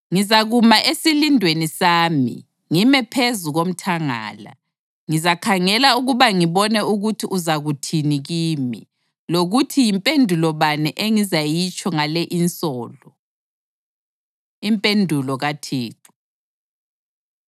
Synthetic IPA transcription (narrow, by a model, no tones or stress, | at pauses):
ŋizaɣumaʔesilindʱwenisaːmḭ | ŋimɛpʰezuɣom̩tʰaŋa̰ːla̰ | ŋizakʰaŋɛlauɣuβaŋiβɔnɛuɣutʰiʔuzaɣutʰiniɣiːmḭ | loɣutʰijimpʼendʱulɔβanɛʔeŋizajit͡ʃʼɔŋalɛʔinsʼɔːlɔ | impʼendʱulɔɣatʰeːǁu̥